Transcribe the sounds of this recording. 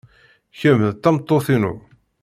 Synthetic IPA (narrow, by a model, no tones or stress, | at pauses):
çəməðt̪ːɑmt̪ˤːoθinṵ